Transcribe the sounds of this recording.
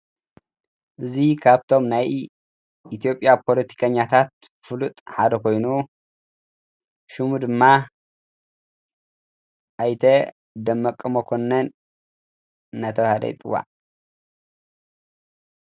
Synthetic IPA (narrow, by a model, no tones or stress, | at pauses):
ʔɨzikʰaβt̪ʰo̞mnaj | it̪ʰijo̞pʼjapʰo̞lɐt̪ʰi̥kʰɐɲːat̪ʰat̪̚fɨlut̪ʼħad̪ɐkʰo̞jnu | ʃumud̪ɨmːa | ʔajt̪ʰɐ | d̪ɐmːɐkʼːɨmokʰo̞nɐn | ɐt̪ʰɐwhɐd̪ɐ̰jt̪ʼɨwːa̰ʕ